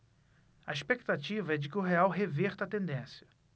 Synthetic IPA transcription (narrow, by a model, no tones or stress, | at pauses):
ɐiʃpekt̪at͡ʃivɐɛd͡ʒɪkɪʊɦeawɦeveɾt̪ɐːt̪ẽnd̪ẽsjɐ̥